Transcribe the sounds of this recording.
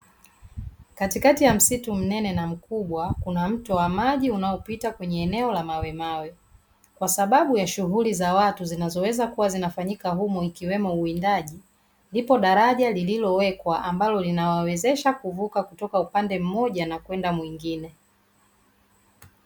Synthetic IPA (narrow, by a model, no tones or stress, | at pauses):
katikatijam̩situm̩nɛnɛnam̩kuɓwakunam̩tɔwamaʄiunaɔpitakwɛɲɛːnɛɔlamawɛmawɛ | kwasaɓaɓujaʃuɦulizawatuzinazɔwɛzakuwazinafaɲikaɦumɔikiwɛmɔuindaʄi | nlipɔɗaɾaʄalililɔwɛkwaʔambalɔlinawawɛzɛʃakuvukakutɔkaupandɛm̩mɔʄanakwɛndamwiŋɡinɛ